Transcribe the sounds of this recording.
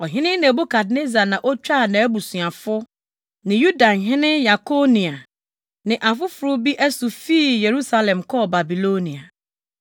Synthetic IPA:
ɔ˨ɦɪ̃˦nɪ̃˦nɛ̃˨bo˦kʰa˨dne˦za˨nã˨ʔɔ˦t͡ɕᶣa˦˨nã˨˦bu˨sũ˨a˨fʊ˦ | nɪ̃˨ju˦da˨nɦɪ̃˦nɪ̃˦ja˨kʰo˦nĩ˨a˨ | nɪ̃˨ʔa˨fʊ˦fʊ˨ɾʊ˦bi˦ʔæ˦su˨fiː˦˨je˨ɾu˦sa˦lɛ̃˨mkʰɔ˦˨ba˨bi˨lo˦nĩ˨a˨

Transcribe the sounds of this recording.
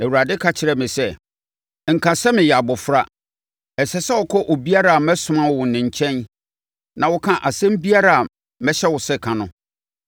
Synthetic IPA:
æ˨wu˨ɾa˨dɪ˦kʰa˦t͡ɕʰɪ˨ɾɛ˨mɪ̃˨sɛ˦ | ŋ̩˨kʰã˨sɛ˦mɪ̃˨jɛ˨a˨bʊ˨fɾa˦ | ɛ˨sɛ˨˦sa˦wɔ˨kʰɔ˦ʔɔ˨bi˦a˦ɾa˦˨a˨mɛ̃˦sʊ̃˨mã˦wwʊ̃˨nɪ̃˨ɲ̩˨t͡ɕʰɛ̃˦n | nã˨wʊ˦kʰã˦ʔa˨sɛ̃˦m̩˦bi˦a˦ɾa˨a˨ | mɛ̃˦ɕɛ˦wʊ˨sɛ˦kʰã˨nʊ̃˦

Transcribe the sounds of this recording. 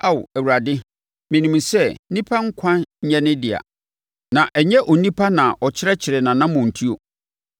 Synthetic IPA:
a˦˨w̰æ˨wu˨ɾa˨dɪ˦ | mɪ̃˨nĩ˨m˨sɛ˦nĩ˦pʰa˦ŋ̩˦kʷʰã˦nɲ̩˦ɲɛ̃˦nɪ̃˦dɪ˨a̰˨ | nã˨ʔɛ˨ɲɛ˦ʔɔ˨nĩ˦pʰa˦nã˨ʔɔ˨t͡ɕʰɪ˦ɾɛ˦t͡ɕʰɪ˨ɾɛ˨nã˨nã˦mʊ̃˨n̩˨tʰi˦o˨

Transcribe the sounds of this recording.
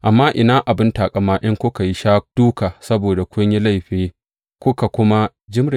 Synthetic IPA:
ʔa˨mːaː˦ʔɪ˨naː˦ʔa˨bɪ˦ntaː˨kʼa˦maː˦ʔɪ˦ŋkʷʊ˦ka˨ji˦ʃaː˦k̚d̥uː˦kaː˨sɐ˦boː˨da˨kʷʊ˦ɲji˦la˦˨jɸeː˦ | kʷʊ˦ka˨kʷʊ˦ma˦ | d͡ʒɪ˦mɽɪ˨

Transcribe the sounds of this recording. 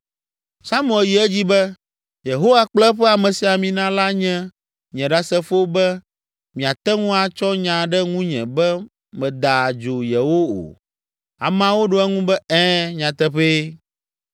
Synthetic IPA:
sa˦m˦ɛ˨lji˨ɛ˦d͡ʑi˦bɛ˦ | je˨ɦo˦wa˨k͡plɛ˦ɸɛ˦a˨mɛ̃˨si˨a˨mĩ˨nã˦la˦ɲɛ̃˦ | ɲɛ̃˨ɖa˨sɛ˦fo˦bɛ˦ | mĩ˨a˨t̪ɛ˦ŋũ˦a˨t͡ʃɔ˦ɲã˨ɖɛ˦ŋũ˦ɲɛ̰̃˨bɛ˦ | mɛ̃˨d̪a˨d͡ʒo˨jɛ˨wo˦o̰˨ | a̰˨m˦ã˨wo˦ɖo˦ɛ˦ŋũ˦bɛ˦ɛ̃˦ɲã˨t̪ɛ˦ɸe˦

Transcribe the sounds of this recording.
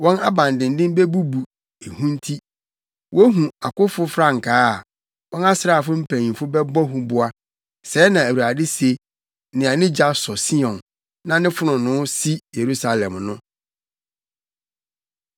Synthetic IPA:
wɔ̃˦na˦bã˨ndɪ̃˨ndɪ̃˦m˦bɛ˦bu˦bu˨ | e˨hũ˦n̩˦tʰi˦ | wʔɔ˦ɦũ˨a˨kʊ˦fʊ˦fɾa˦ŋ̩˨kʰaː˦˨ | wɔ̃˦na˦sɪ˦ɾa˦˨fʊ˦m̩˦pʰæ̃˨ɲĩ˨fʊ˦bɛ˦bɔ˦ɦũ˦bʊ˦a˦ | sɛ˨˦nã˨æ˨wu˨ɾa˨dɪ˦se˦ | nɪ̃˨a˨nɪ̃˦d͡ʑa˦sɔ˨si˦ɔ̃˨nː | ã˨nɪ̃˦fʊ˦nʊ̃˨nʊ̃˦si˦je˨ɾu˦sa˨lɛ̃˨mnʊ̃˦

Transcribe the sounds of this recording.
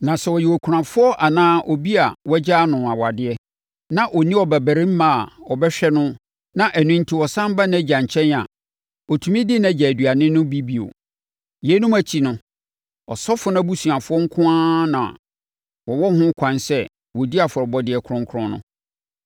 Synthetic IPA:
nã˨sɛ˨wɔ˨jɛ˨wo˨kʷʰu˨ɾã˨fʊ˦ɔ˦ʔa˨nãː˦ʔɔ˨bi˦a˨wɔ˦d͡ʑaː˦nʊ̃˨a˨wa˨dɪ˦ɛ˦ | nã˨ʔɔ˨nĩ˦ɔ˨bæ˨bæ˨ɾɪ̃˦m̩˦mã˨a˨ɔ˨bɛ˦ɕᶣɛ˦nʊ̃˦ | nã˦ʔæ˨nʊ̃˦n̩˦tʰi˦wɔ˨sã˦m˦ba˦nã˨˦d͡ʑã˨ɲ˨t͡ɕʰɛ̃˦na̰˨ | ɔ˨tʰu˨mĩ˦dɪ˦nã˨d͡ʑɛ˨æ˨dɥa˨nɪ̃˦nʊ̃˦bi˦bi˨o̰˨ | je˨˦nũ˦mæ˦t͡ɕʰi˨nʊ̃˦ | ɔ˨sɔ˦fʊ˦nã˦bu˦sũ˨ã˨fʊ˦ɔ˦ŋ̩˦kʰʊ̃˦ãː˦nã̰˨ | wɔ˨wɔ˦hʊ̃˦kʷʰã˨nsɛ˦ | wɔ˨di˦a˨fʊ˨ɾɔ˨bɔ˦dɪ˦ɛ˦kʰʊ˦ɾʊ̃˦ŋ˦kʰʊ˦ɾʊ̃˦nʊ̰̃˦

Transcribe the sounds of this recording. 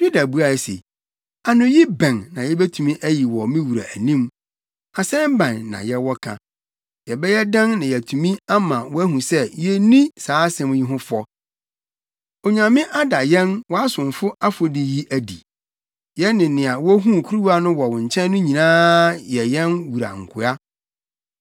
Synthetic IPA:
du˦da˨bu˦a˨sḛ˨ | a˨nʊ̃˨ji˦bɛ̃˨nːã˨jɛ˦bɛ˦tʰũ˨mĩ˦ʔæ˦ji˨wɔ˨mĩ˦wu˨ɾa̰˨æ˨nĩ˦m | a˨sɛ̃˦m˦bã˨nːã̰˨jɛ˦wɔ˦kʰã̰˨ | jɛ˨bɛ˦jɛ˦dã˦nnã˨jɛ˨tʰu˨mĩ˦a˦mã˨wɔ˦æ˦ɦũ˨sɛ˦jɛ˦nĩ˦saː˨˦sɛ̃˦m˦ji˦ɦʊ̃˦fɔ˦ | o˨ɲã˨mɪ̃˦ʔa˦da˨jɛ̃˦nwɔ˨˦a˦sʊ̃˨nfʊ˦a˦fo˨di˨ji˦ʔæ˦dḭ˨ | jɛ˦nɪ̃˨nɪ̃˨a˨wɔ˦ɦũ˦˨kʰu˦ɾu˦wa˦nʊ̃˦wɔ˨wʊ̃˨ɲ̩˨t͡ɕʰɛ̃˦nː˦ʊ̃˦ɲĩ˨nãː˦jɛ˨jɛ̃˦nwu˨ɾa̰˨ŋ̩˨kʰʊ˨a˦

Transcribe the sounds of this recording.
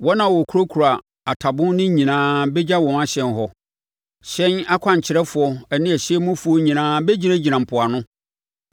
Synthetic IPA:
wɔ˦nã˨wɔ˨kʰɾo˦kʰu˨ɾa˨ | a˨tʰa˨bʊ̃˦n˦nɪ̃˦ɲĩ˨nãː˦bɛ˦d͡ʑa˦wɔ̃˨na˦ɕɛ̃˨nɦɔ˦ | ɕɛ̃˦na˦kʷʰã˨ɲ̩˨t͡ɕʰɪ˨˦ɾɛ˦fʊ˨ɔ˨æ˨nɪ̃˦æ˨ɕɪ˦ɛ˦mʊ̃˦fu˨o˦ɲĩ˨nãː˦bɛ˦d͡ʑi˦ɾæ̃˦d͡ʑi˨nã˨m̩˨pʰʊ˨a˨nʊ̃˦

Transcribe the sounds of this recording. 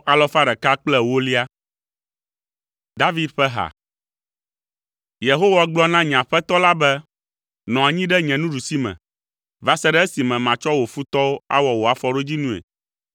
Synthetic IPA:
a˨lɔ˦fa˦ɖɛ˨ka˦k͡plɛ˦wo˦li˦a˦ | d̪a˦vi˦d̪ɸɛ˦ɦa̰˨ | je˨ɦo˦wa˦ɡ͡blɔ˦nã˦ɲ˨ã˨ɸɛ˦t̪ɔ˦la˦bɛ˦ | nɔ̃˨a˨ɲĩ˦ɖɛ˦ɲɛ̃˨nũ˦ɖu˨si˦mɛ̰̃˨ | va˦sɛ˦ɖɛ˦e˦si˨mɛ̃˨mã˨t͡ʃɔ˦wo˨fu˦t̪ɔ˦wo˦a̰˦wɔ˨wo˨a˨fɔ˦ɖo˦d͡ʑi˦nũ˦ḛ˨

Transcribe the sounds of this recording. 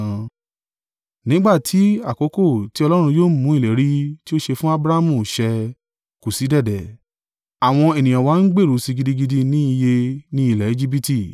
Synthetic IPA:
nĩ˦ɡ͡ba˦˨tʰi˨˦a˦˨ko˨˦ko˦˨ti˨˦ɔ˧lɔ˦ɾ̃ũ˧joː˦mũ˨˦i˦˨le˨˦ɾi˦ti˦o˦ʃe˧fũ˦a˦bɾa˦a˦mũ˦˨ʃɛ˧ | ku˨si˨˦dɛ˦˨dɛ˨ | a˨w̃ɔ̃˧e˨nĩ˨j̃ã˨wa˨˦n̩˦ɡ͡be˦˨ɾu˨˦si˧ɡi˧di˧˦ɡi˧di˧nĩ˦i˧je˧nĩ˦i˦˨lɛ˨e˨˦d͡ʒi˦bi˦ti˦˨

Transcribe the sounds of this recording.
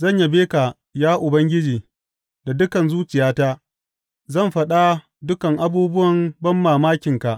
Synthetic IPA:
zɐ˦˨ɲja˨beː˦ka˨ | jaː˦ʔʊ˨bɐ˦ŋɡʲɪ˦d͡ʒiː˨ | da˨dʊ˦kɐ˨nzuː˦t͡ʃɪ˨jaː˦taː˦ | zɐ˦˨mɸɐ˦ɗa˦ | dʊ˦kɐ˨ŋʔa˦buː˦bʊ˦wɐ˨mbɐ˦mːaː˨maː˦kʲɪ˨ŋka˨ʔ

